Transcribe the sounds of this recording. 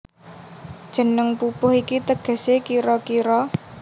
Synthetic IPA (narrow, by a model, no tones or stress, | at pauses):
d̥ʒ̥ə̤nəŋpupʊhikit̪əɡ̥ə̤sekiɾɔkiɾɔ